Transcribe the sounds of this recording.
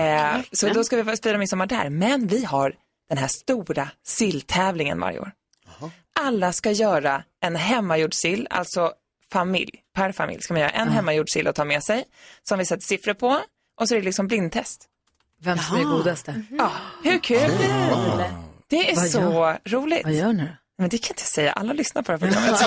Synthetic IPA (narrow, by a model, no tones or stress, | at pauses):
sɔd̪ɔskavɪspiːd̪ɾamɪnsɔmːaɖæ̰ɾmɛnvɪɦaɾ | d̪̥ɛnɦæʂt̪uːɾasɪlːt̪ʰɛːvlɪŋə̰nva̰ɾjɪ̰o̰ːɾ | ʔalːaskajœːɾaɛnɦɛmːajuːɖsɪlːa̰lt̪sɔ | famɪ̰ljpʰæɾfa̰mɪ̰ljskamanjœːɾaʔɛnɦɛmːajuːɖʂɪlʔɔt̪ʰɑːɾmɛsɛjsɔmvɪsɛt̪ːə̥sɪfɾəɾpʰɔ | ʔɔsɔɛɾɛlɪksɔmblɪnd̪̚t̪ʰɛst̪ | vɛmsɡuːd̪ast̪əhɵɾkʰʉːld̪ɛ | d̪̥ɛæsɔɾuːlɪɡ̪jːnɪ | mɛnd̪ɛkʰanɪnt̪əjɑsɛjːa̰ʔa̰lːahaɭʏsnat̪pʰɔd̪ɛæfɔʈʰːɑ̰ː